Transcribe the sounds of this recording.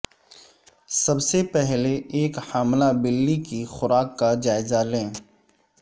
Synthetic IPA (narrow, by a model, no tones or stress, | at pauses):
sɐbsepɛɦleːkhaːmlabɪlːikixʊɾaːkːad͡ʒaːɪzalẽː